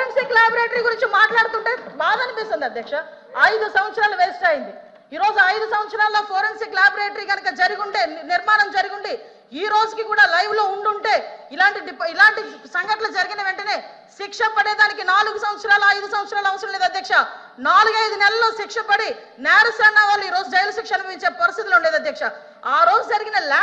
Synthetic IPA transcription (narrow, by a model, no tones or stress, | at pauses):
ensiːklaːbɾeːʈɐɾiːɡuɾiɲt͡ʃimaːʈlaːɽut̪uɳʈe̞ːbaːd̪ɐnipist̪und̪iɐd̪ʱjɐkʂɐ | ɐjd̪usɐmʋɐt̪sɐɾaːluʋelsʈaːjind̪i | iːɾo̞ːd͡ʒuɐjd̪usɐmʋɐt̪sɐɾaːlːoːpʰoːɾemsiklaːbɾeːʈɐɾiːɡɐnɐkɐd͡ʒɐɾuɡuɳʈe̞ːniɾmaːnɐmd͡ʒɐɾuɡuɳɖi | iːɾo̞ːd͡ʒukikuːɽaːlɐjʋlo̞ːuɳɖuɳʈe̞ːilaːɳʈiɖipilaːɳʈisɐŋɡɐʈlɐd͡ʒɐɾiɡinɐʋe̞ɳʈɐne̞ː | ʃikʂɐpɐɽeːd̪aːnikinaːluɡusɐmʋɐt̪sɐɾaːluɐjd̪usɐmʋɐt̪sɐɾaːlɐʋɐsɐɾɐmleːd̪ɐd̪jɐkʂɐ | naːluɡɐjd̪unɛlɐlːo̞ːʃikʂɐpɐɽi | naːɾɐsɐːnːaːʋaːlːuiːɾo̞ːd͡ʒud͡ʒɐjlɐsikʂɐnpɐiɲt͡ʃeːpɐɾist̪it̪iluɳɖeːd̪ɐd̪jɐkʂɐ | aːɾo̞ːd͡ʒud͡ʒɐɾiɡinɐlaː